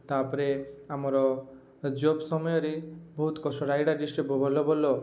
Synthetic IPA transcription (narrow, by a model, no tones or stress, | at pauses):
t̪apɔɾeamɔɾɔ | d͡ʒobsɔmɔjɔɾebɔɦut̪kɔsɔɾajɖaɾɖisʈɾipɔbʱɔlobɔlːo